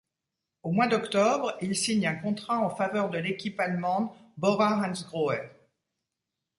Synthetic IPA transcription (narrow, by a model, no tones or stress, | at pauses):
omwad̪ɔkt̪ɔbʁilsiɲɛ̃kɔ̃t̪χaɑ̃favœʁd̪əlekʲipalmɑ̃d̪bɔʁaʁãnsɡʁoɛ